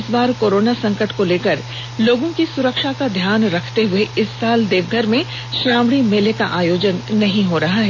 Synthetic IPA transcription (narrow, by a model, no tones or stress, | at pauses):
sbaːɾkoːɾoːnasɐ̃ŋkəʈkoleːkəɾ | loːɡõkisʊɾəkʃakad̪ʱjaːnɾɐkʰt̪eɦʊeɪsːaːld̪eːʋɡʱəɾmẽ | ʃɾaːmɽimelekaʔaːjoːd͡ʒənːɐɦĩɦoɾɐɦaɦɛː